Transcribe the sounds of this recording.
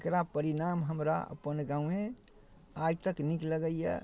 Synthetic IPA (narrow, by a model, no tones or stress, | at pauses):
kɾapəɾinamɦəmɾa̰ə̰pənɡãũẽ | ajt̪əknikləɡəiɛ̰